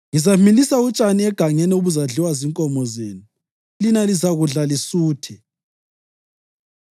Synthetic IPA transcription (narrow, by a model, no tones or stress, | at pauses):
ŋizamilisaut͡ʃʼaniɛɡ̥ʱaŋɛnɛuβuzaɮiwaziŋkʼɔmɔzḛːnu | linalizaɣuɮalisuːtʰɛ